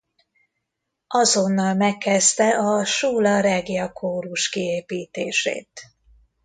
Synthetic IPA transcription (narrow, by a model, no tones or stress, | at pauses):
ɒzo̞nːɒlmɛkːɛzt̪ɛʔɒʃuːlɒɾɛɡijɒkʰoːɾuʃkieːpiːt̪eːʃḛːt̪